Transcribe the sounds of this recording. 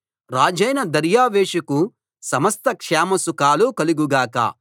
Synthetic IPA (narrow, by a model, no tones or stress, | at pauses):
ɾaːd͡ʒɐjnɐd̪ɐɾjaːʋeːʂɐku | sɐmɐst̪ɐkʂɛːmɐsukaːlukɐluɡuɡaːkɐ̰ː